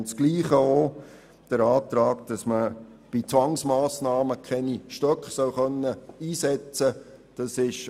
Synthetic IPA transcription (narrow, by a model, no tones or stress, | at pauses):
nsɡ̥liːχəo | d̥əɾɑːt̪ɾɑːkd̥ɑsmə | b̥it͡sʋɑŋsmɑːsnɑːməkʰɛniʃtœkχsœwχœnːəiːsɛt͡sə | d̥ɑsɪʃ